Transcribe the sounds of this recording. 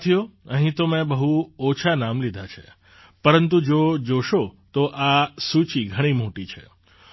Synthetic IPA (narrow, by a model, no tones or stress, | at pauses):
t̪ʰijoəɦĩt̪omẽbəɦuot͡ʃʰanamlid̪ʱat͡ʃʰḛ | pəɾənt̪ud͡ʒod͡ʒoʃot̪oʔasut͡ʃiɡʱəɽ̃imoʈit͡ʃʰḛ